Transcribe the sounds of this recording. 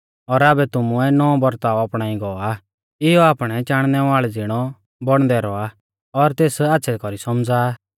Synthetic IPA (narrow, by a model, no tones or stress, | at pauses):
ɔɾaːbɛt̪ʊmuɛnɔɔ̃bɔɾt̪aɔapɽ̃aːĩɡɔa | ɪjɔaːpɽ̃ɛt͡ʃaːɽ̃nɛʋaːɭɛd͡zɪɽ̃ɔ | bɔɽ̃d̪ɛɾɔa | ɔɾt̪eːsaːtːsʰɛkɔɾisɔmd͡zaː